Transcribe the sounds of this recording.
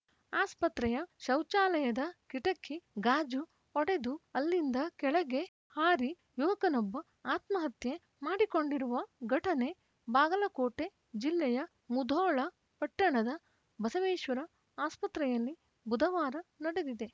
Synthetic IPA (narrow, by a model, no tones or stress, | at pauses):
aːspɐt̪ɾɛjɐʃɐwt͡ʃaːlɐjɐd̪ɐkiʈɐkʰːiɡaːd͡ʒu | ɔɽe̞d̪uɐlːind̪ɐkɛɭɐɡe̞ | haːɾi | juʋɐkɐnɔbːɐ | aːt̪mɐɦɐt̪je | maːɽiko̞ɳɖiɾuʋɐɡɐʈɐne̞ | baːɡɐlɐkoːʈe̞ | d͡ʒilːɛjɐ | mud̪ʱɔːɭɐ | pɐʈːɐɳɐd̪ɐ | bɐsɐʋeːʃʋɐɾɐ | aːspɐt̪ɾɛjɐlːi | bud̪ʱɐʋaːɾɐnɐɽed̪id̪e̞